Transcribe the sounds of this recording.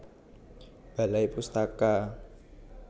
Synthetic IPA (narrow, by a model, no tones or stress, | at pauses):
b̥a̤laipust̪aka